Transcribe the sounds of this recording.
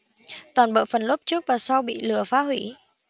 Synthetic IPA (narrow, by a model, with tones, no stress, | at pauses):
t̪waː˨˩nɓə̰ː˧˨fə˨˩nlə˦˥p̚t͡ɕɨ˦˥ək̚vaː˨˩sa˧wɓḭ˧˨lɨ˨˩əfaː˨˦ɦwi˧˩